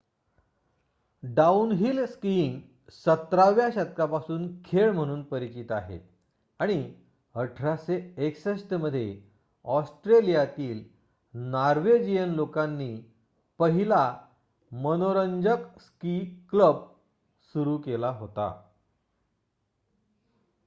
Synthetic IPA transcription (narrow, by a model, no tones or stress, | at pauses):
ɖaunɦilskiŋɡ | sət̪ɾaʋjaɕət̪̚kapasuːnkʰeɭm̤əɽ̃uːnpəɾit͡ɕit̪aɦḛt̪ | aɽ̃i | əʈʰɾaseeksəsʈəməd̪ʱːje | ɔsʈɾelijat̪iːl | naɾʋed͡ʑijənlokãnːiː | pəɦila | mənoɾəɲd͡ʑəkskikləb̚ | suɾuːkelaɦot̪a̰